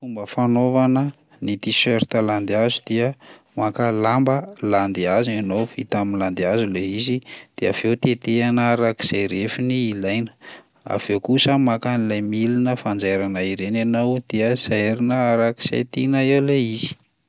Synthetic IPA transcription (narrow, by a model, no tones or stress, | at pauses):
fumbəfanovanə | nit̪isøɾt̪əland̪azud̪̥iə | makəlambəland̪iazuanowvit̪aminland̪iazuleizid̪̥ea̰v̥ewt̪et̪eanəaɾaki̥z̥ajɾefiniːlajnə̥ | a̰v̥ewkusəmakanilajmilinəfand͡zajɾanaiɾenanawd̪eəz̥eɾinəaɾaki̥z̥ḛt̪inaewleiz̥i̥